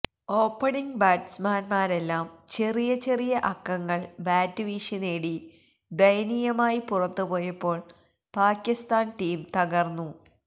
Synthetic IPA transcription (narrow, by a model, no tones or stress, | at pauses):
o̞ːpːɐɳiŋɡbaːɖsmaːnmaːɾe̞lːaːmt͡ɕe̞rijɐt͡ɕe̞rijɐʔɐkːɐŋːɐɭbaːtːɨʋiːʂɐneːɽi | d̪ɐjnijɐmaːjipurɐt̪ːupo̞ːjɐpːo̞ːɭ | paːkːist̪aːnʈiːmt̪ɐɣɐrnːu